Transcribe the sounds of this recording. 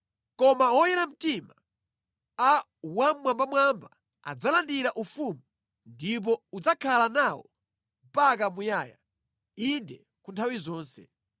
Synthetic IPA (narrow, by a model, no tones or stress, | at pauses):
kɔmaɔjɛɾam̩tima | a | wammwambamwamba | a̰d͡zalandiɾaʔufumu | ndip̬ɔud͡zakʰalanawɔ̰ | mpakamujaːja̰ | indɛ | kuntʰawizɔːnsɛ̰